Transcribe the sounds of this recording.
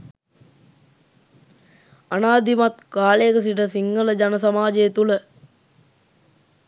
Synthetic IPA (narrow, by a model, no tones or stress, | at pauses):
anaːd̪imat̪kaːleəkəs̬iʈəsiŋɡələd͡ʒanəsamaːd͡ʒejet̪ulə